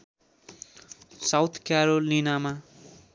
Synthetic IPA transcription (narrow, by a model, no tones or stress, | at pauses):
sawt̪ʰkjaɾolinama